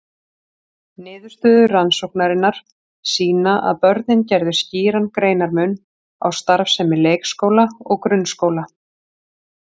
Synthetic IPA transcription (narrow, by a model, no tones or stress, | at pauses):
nɪːðʏɾ̥st̪œːðʏransowhknaɾɪnːaɾ̥ | siːnaʔa̰ðpœɾðnɪncɛɾðʏ̥sciːɾankɾeːjnaɾmʏn | a̰wst̪aɾfsɛmɪleːjkskoːwlaɔ̰ɣkɾʏnskoːwla